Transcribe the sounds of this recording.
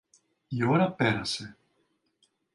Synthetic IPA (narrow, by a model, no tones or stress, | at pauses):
joɾapeɾase